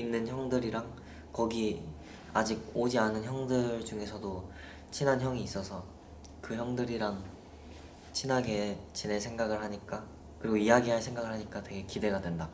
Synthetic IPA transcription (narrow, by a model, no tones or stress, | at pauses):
inːɯnçjʌŋdɯɾiɾaŋ | kʌɡi | ad͡ʑiɡ̚od͡ʑianɯnçjʌŋdɯɭd͡ʑuŋe̞sʰʌdo | t͡ɕʰinɦançjʌŋiːs͈ʌsʰʌ | kɯçjʌŋdɯɾiɾaŋ | t͡ɕʰinɦaɡe̞t͡ɕinesʰe̞ŋɡaɡɯɭɦaɲik͈a | kɯɾiɡoiaɡiɦaɭsʰe̞ŋɡaɡɯɭɦaɲik͈atwe̞ɡe̞kide̞ɡadwe̞nda